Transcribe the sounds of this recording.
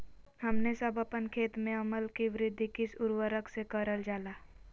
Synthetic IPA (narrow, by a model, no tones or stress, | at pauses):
hɐmnesəbəpənkʰeːt̪mẽɐməlkiʋɪɾɪd̪ʱːikɪsʊɾwəɾəksekəɾəld͡ʒaːlaː